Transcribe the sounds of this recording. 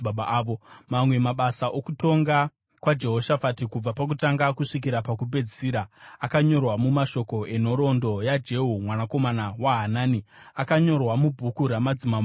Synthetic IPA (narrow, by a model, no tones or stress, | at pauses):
aɓaːʋomamwe̞maɓasaʔokuto̞ŋɡa | kwad͡ʒe̞ɦo̞ʃafatikub͡vapak̬utaŋɡakuʂik̬iɾapakuped͡zisiːɾaakaɲo̞rwamumaʃo̞ko̞ʔen̤o̞ɾo̞ndo̞jad͡ʒe̞ɦumwanako̞manawaɦanaːni | akaɲo̞rwamubʱukuɾamad͡zima